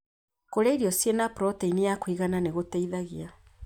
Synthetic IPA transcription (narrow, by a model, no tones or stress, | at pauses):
koɾeiɾiɔsienapɾɔteinijakwiɣananeɣoteiðaɣia